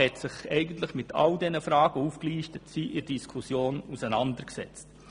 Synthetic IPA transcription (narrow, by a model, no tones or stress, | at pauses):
ɛtsɪχɛɪɡən̩tlɪχmɪtʰɑ̰ldɛnəfɾɑːɡəufkliːʃtətsiːʔɪd̥iskʰusjoːnusənɑndəɾksɛ̰t͡st